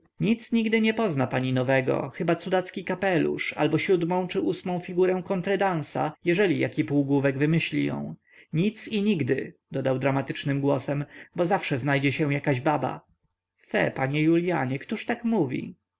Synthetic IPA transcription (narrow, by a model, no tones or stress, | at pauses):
ɲit̪sɲiɡd̪ɘɲɛpɔznapaɲinɔvɛɡɔ̰xɘbat̪sud̪at̪skʲikapɛlṵʂa̰lbɔɕud̪mɔ̃w̃t͡ʂɘʔusmɔ̃w̃fʲiɡuɾɛw̃kɔnt̪ɾɛd̪añsa̰jɛʐɛlʲija̰kʲipuwɡwuvɛɡvɘmɘɕlʲḭjɔ̰̃w̃ | ɲit̪siɲiɡd̪ɘd̪ɔd̪awd̪ɾamat̪ɘt͡ʂnɘmɡwɔsɛmbɔzafʂɛznajd͡ʑɛɕɛw̃jakaʑbaba̰ | fɛ̰paɲɛjulʲjaɲɛkt̪uʂt̪akmuvʲḭ